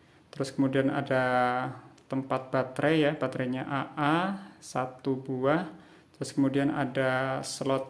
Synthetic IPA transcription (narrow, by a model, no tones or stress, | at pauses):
t̪əɾʊskəmudiana̰da | t̪əmpat̪̚b̥at̪ɾɛjab̥at̪ɾɛɲaʔaʔasat̪ubua | t̪əɾʊskəmudiana̰dasəlɔt̪̚